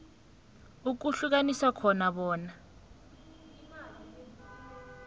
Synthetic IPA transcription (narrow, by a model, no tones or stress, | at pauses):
uk̬uɬuk̬aniswakʰɔnaɓɔːna